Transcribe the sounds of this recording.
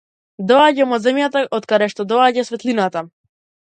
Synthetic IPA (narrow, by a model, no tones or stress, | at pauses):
d̪ɔaɟamɔzɛmjat̪aʔɔt̪kad̪ɛʃt̪ɔd̪ɔaɟasvɛt̪linat̪a